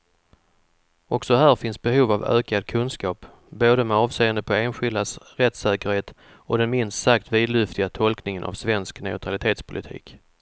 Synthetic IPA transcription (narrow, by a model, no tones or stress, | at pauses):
ɔksɔɦæːɾfɪnsbɛɦuːvavø̰ːkad̪̚kʰɵnskɑːp | boːd̪əmɛɑːvseːənd̪əpʰɔeːnɧɪld̪asɾɛt̪ːsɛːkəɾheːt̪ | ɔd̪ɛnmɪnst̪sak̚t̪viːd̪lɵft̪ɪɡat̪ʰɔlknɪŋənʔa̰vsvɛnsknɛʊt̪ʰɾalɪt̪ʰeːt̪spʰʊlɪt̪ʰḭːk